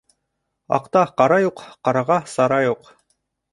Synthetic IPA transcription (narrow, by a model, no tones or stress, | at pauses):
ɑ̰qt̪ɑqɑɾɑjuqqɑɾɑʁɑsɑɾɑjuq